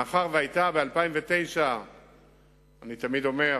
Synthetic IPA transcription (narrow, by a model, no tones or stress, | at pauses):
aχaʁveajt̪abealpaimvet̪e̞jʃa | anit̪amid̪o̞me̞